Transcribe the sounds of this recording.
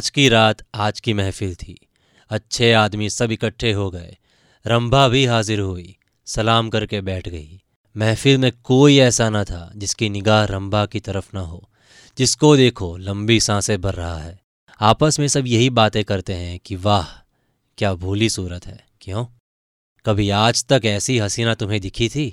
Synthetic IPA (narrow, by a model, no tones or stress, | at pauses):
d͡ʒkiɾaːt̪aːd͡ʒkimɛɦfilt̪ʰiː | ɐtːʃʰeaːd̪misɐbɪkəʈʰːeɦoɡɐḛ | ɾɐ̃mbʱabʱiɦaːzɪɾɦuḭ | sɐlaːmkɐɾkebɛːʈʰɡɐi | mɛːfilmẽkoːiɛːsanɐt̪ʰa̰d͡ʒɪskinɪɡaːɦɾɐ̃mbʱakit̪ɐɾəfnɐɦoː | d͡ʒɪskod̪eːkʰolɐ̃mbisãːsebɐɾːɐɦa̰ɦɛː | aːpəsmẽsɐbjɐɦibaːt̪ẽkɐɾt̪eɦɛ̃kiʋaːɦ | kjaːbʱuːlisuːɾət̪ɦɛ̰ː | kjõː | kɐbʱiaːd͡ʒt̪ɐkɛːsiɦɐsiːnat̪ʊmɦẽd̪ɪkʰit̪ʰiː